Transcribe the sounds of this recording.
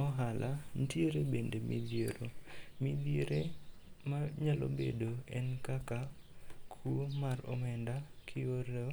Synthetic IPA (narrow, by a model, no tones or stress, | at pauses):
ɔɦalʔan̩tjeɾebendemḭd̪jeɾomid̪eɾemaɲalo̰bḛdoɛnkaka | kʰuomarɔ̰mɛndakʰɪoɾɛ